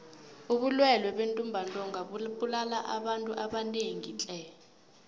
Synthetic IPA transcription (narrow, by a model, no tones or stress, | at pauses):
uɓulwɛlwɛɓentʼumbʱantʼɔŋaɓuɓulalaʔaɓantʼuʔaɓaneŋit͡ɬʼɛ